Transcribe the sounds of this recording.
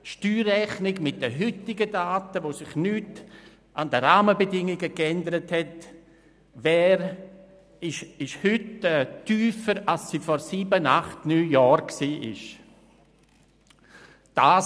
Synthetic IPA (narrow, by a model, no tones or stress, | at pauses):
ʃtyːɾːɛχnɪɡmɪt̚d̥əɦʏtɪɡədaːtəvoːsɪχnyːt | ʔandəɾaːməbədɪŋɪɡəkɛndəɾəthɛt | vɛːɾ | ɪʃɪʃhʏtɛːtyːfəɾalssiːfɔɾsiːbənaχtnyːjɔːɾksiːʔɪ̰ʃ | d̥aː